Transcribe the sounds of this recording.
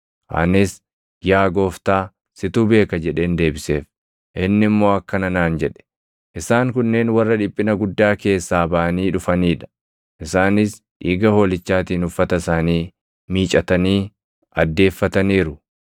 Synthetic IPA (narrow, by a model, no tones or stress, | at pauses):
ʔa̰nɪs | jaːɡo̞ːft̪aː | sɪt̪uːbe̞ːkɐd͡ʒɛᶑe̞ːnd̪e̞ːbɪse̞ːf | ʔɪnːɪmːo̞ːɐkːɐnɐnaːnd͡ʒɛᶑɛ̥ | ʔɪsaːŋkʊnːe̞ːnwɐrːɐᶑɪpʼːɪnɐɡʊd̪ːaːke̞ːsːaːbɐʔɐniːᶑʊfɐniːᶑɐ̥ | ʔɪsaːnɪs | ʔiːɡɐho̞ːlɪt͡ʃːaːt̪iːnʊfːɐt̪ɐsaːniː | miːt͡ʃʼɐt̪ɐniː | ʔɐd̪ːe̞ːfːɐt̪ɐniːɾʊ